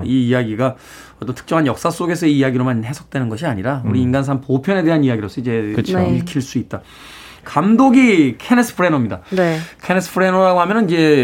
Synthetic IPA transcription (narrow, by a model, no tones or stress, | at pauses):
iːjaɡiɡa | ʌt͈ʌntʰɯ̥k̚t͡ɕ͈ʌŋɦanjʌk̚s͈as͈oɡe̞sʰʌiːjaɡiɾomanɦe̞sʰo̥k̚t͈we̞nɯnɡʌɕʰiaɲiɾauɾiːnɡans̬ʰaŋpopʰjʌne̞deɦaniaɡiɾos͈ʌid͡ʑe̞iɭkʰiɭs͈uit̚t͈a | kamdoɡikʰe̞nes͈ʰɯ̥pʰɯɾenʌmɲidanekʰe̞nesʰɯ̥pʰɾenoɾaɡoɦamjʌnɯnid͡ʑe̞